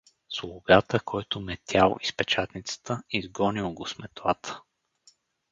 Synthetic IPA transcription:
slˠʊɡat̪əkʰɔjt̪ʊmɛt̪ʰʲjalˠispɛt͡ʃat̪nit̪sə̥t̪əizɡɔnilˠɡosmɛt̪lˠat̪ʰə̥

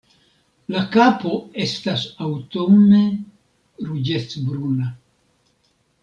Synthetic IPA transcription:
lakapo̞e̞stasawtone | ɾud͡ʒet͡sbɾuna

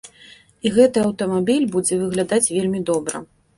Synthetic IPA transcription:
iɣɛt̪ɨɐwt̪ɐmabʲilʲbud͡zʲɛvɨɣlʲad̪at͡sʲvʲelʲmʲid̪ɔbɾɐ̰

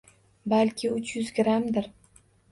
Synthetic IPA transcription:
balkʲʰɪʊt͡ʃʰjʊzɡʲɾamd̪ɪɾ

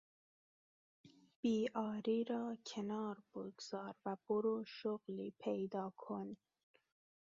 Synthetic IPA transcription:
b̥iːɑːɾiɾɑːkʰenɑːɾboɡz̥ɑːɾvæb̥oɾoʃoɣlipʰejd̪ɑːkʰon

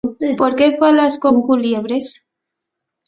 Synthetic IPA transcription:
poɾkefalasko̞ŋkuljeβɾes

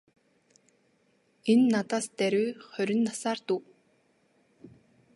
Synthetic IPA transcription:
enːat̪aːst̪æɾʲuːχœɾʲɪ̆nːasaːrt̪uː

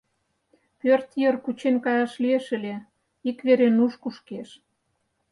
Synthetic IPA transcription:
pørt̪jərkut͡ɕenkɑjɑʃlieʃə̆lʲe | ikβeɾenuʃkuʃkeʃ

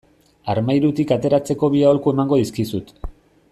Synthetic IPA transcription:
aɾmajɾut̪ikat̪e̞ɾat͡se̞ko̞βiaolkue̞maŋɡo̞ðiskisut̪

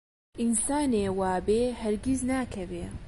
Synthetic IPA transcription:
ʔinsaːneːwaːbeːhɐɾɡiznaːkʰɐveː

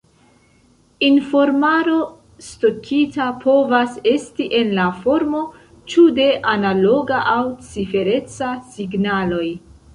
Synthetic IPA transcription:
info̞ɾmaɾo̞ | sto̞kʰitapʰo̞vase̞stiʔe̞nlafo̞ɾmo̞ | t͡ʃude̞ʔanalo̞ɡaʔawt͡sife̞ɾe̞t͡sasiɡnalo̞j

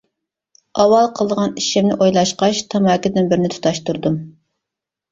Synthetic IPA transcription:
ɑwɑlˠqʰəlˠd̪əʁɑniʃɪmnɪʔojlˠɑʃqɑʃt̪ʰɑmɑkʲɪd̪ɪnbɪɾɪnɪt̪ʰu̥t̪ʰɑʃt̪uɾd̪um

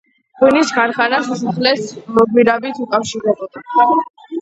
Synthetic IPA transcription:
kʼinisɡaɾχanasasaχlɛsmɔɡiɾabit̪ʰukʼafʃiɾɛbɔd̪̥a

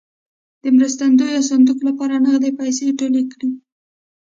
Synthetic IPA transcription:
d̪̥əmɾəst̪and̪ojawsand̪uklapɑɾanəɣd̪epajseʈolekɽi

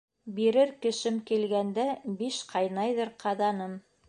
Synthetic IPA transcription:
biɾɘɾkɘ̆ʃɘmkilɡænd̪æbiʃqʰɑjnɑjðɤɾqʰɑðɑnɤm

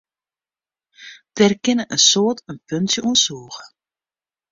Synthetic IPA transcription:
d̥ɛrkɪnəʔənsoːtənfønsjəʔuənsuːɣə̥

